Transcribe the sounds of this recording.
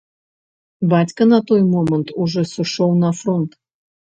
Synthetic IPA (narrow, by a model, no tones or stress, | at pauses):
batʲkənɐt̪ojmomənt̪uʐɛsuʂownɐfront̪